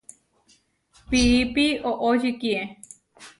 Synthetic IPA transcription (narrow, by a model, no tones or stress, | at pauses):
piipioʔoʒɨkie